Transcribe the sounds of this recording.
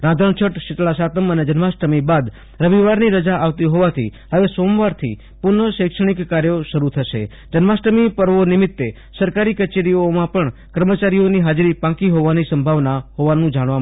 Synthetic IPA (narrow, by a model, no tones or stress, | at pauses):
ɾãd̪ʱəɳt͡ʃʰəʈʃɪʈɭasat̪əməned͡ʒənʋasʈəmibad̪ | ɾəʋiʋaɾniɾəd͡ʒaʔaʋt̪iɦoʋat̪ʰḭɦəʋesomʋaɾt̪ʰḭ | pʊnəʃekʃəɳ̃ikːaɾjoʃəɾut̪ʰəʃḛ | d͡ʒənʋasʈəmipəɾʋonɪmɪt̪ːe | səɾkaɾikət͡ʃeɾijomãpəɳkəɾmət͡ʃaɾioniɦad͡ʒɾipãkiɦoʋanisəmbʱaʋnaɦoʋanũd͡ʒaɽ̃ʋa